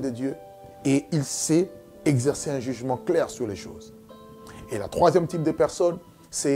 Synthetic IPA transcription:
d̪əd̪jø | eilsɛ | ɛɡzɛʁseɛ̃ʒyʒmɑ̃klɛʁsyʁleʃo̰ːz | ela̰t̪χwazjɛmt̪ip̚d̪əpɛʁsɔn | sɛ

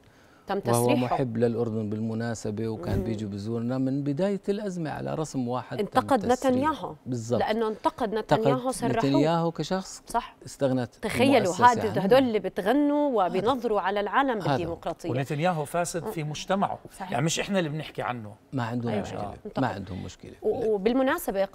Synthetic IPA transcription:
t̪amːtw̪ashʊwamʊħɪbːlɪlʔʊɾd̪ʊnbɪlmʊnaːsabewkaːnbjiːd͡ʒibɪzuːɾnamɪnbɪd̪aːjalʔazmaʕa̰la̰ɾˤɑsmwaːħɪd̪ʔɪnt̪ːɑqɑd̪nat̪anjaːɦubɪzˤːɑlɪʔanːoʔɪnt̪ɑqɑd̪nat̪njaːɦusˤɑraˤːanjaːhukaʃɑxsˤsˤɑħʔɪst̪aɣnat̪t̪axajːaluɦaːʔd̪had̪oːlɪlːibɪt̪ɣanːuwɪbɪjnɑðˤːɾuʕalalʕaːlambɪd̪ːiːmʊqɾˤɑːt̪ˤʰɨjwːnɪt̪anjaːɦʊfaːsɪd̪fimʊd͡ʒt̪ama̰ʕʊ̰sˤɑħjaʕnimɪʃʔɪħnalːibnɪħkiʕa̰nːʊmaʕɪnd̪hʊmːʊʃkɪ̰lḛnmaʕɪ̰nd̪hʊ̰mːʊ̰ʃkɪ̰lewbɪlmʊnaːsabe

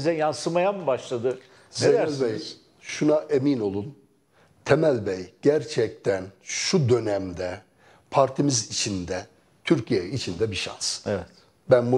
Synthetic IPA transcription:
zɛjansɯmajamɯbaʃlˠad̪ɯ | zeeælʲbɛj | ʃunaʔemino̞lˠun | t̪ʰemælʲbɛjɟ̥æɾt͡ʃʰɛc̚t̪ʰænʃud̪ø̞næmd̪ɛ | pʰaɾt̪ʰimizit͡ʃʰind̪ɛ | t̪ʰyɾcʰijɛit͡ʃʰind̪ɛbiʃa̰nsevɛt̪ | bænbu

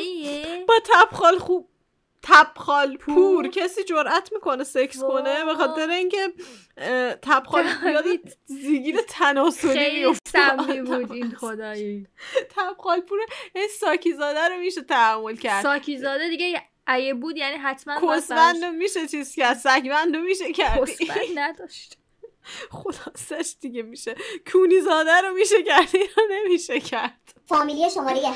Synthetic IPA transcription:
jbɒːt̪ʰæb̥xɒlxub̥̚ | t̪ʰæb̥xɒːlpʰːuːɾcʰesiːd͡ʒoɾʔæt̪ʰmiːko̞nesekʰskʰonebexɒːt̪ʰeɾeiːncʰe̞ | t̪ʰæb̥xɒːljɒːd̪eziːɡiːɾet̪ʰænɒːsoɾiofibd̪nod̪ | t̪ʰæb̥xɒːlpʰuɾejænisɒːcʰizɒːd̪æɾomiːʃet̪ʰæhæmːolcʰæɾsd̪ɒːkʰizɒːd̪ed̪iɡej | ʔæjebuːd̪jæniːɦæt̪ʰmænnkʰossbænd̪omiʃet͡ʃʰiːz̥cæɾd̪sækbænd̪omiʃekʰæɾdo̥innæd̪ɒʃt̪ | xod̪̥ɒːsæʃd̪̥iɟemiːʃekʰuːnizɒːd̪æɾomiːʃecæɾd̪ijɒne̞miːʃecʰæɾd̪̥fɒːmilijeʃomɒːɾeje

